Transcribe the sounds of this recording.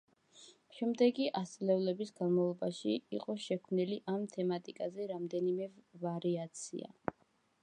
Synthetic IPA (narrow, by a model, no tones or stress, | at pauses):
ʃɛmd̪ɛɡiʔast̪sʼlɛvlɛbisɡanmavlˠɔbaʃiːqʼɔʃɛkʰmniliʔamt̪ʰɛmat̪ʼikʼazɛɾamd̪ɛnimɛvaɾiat̪sʰḭa̰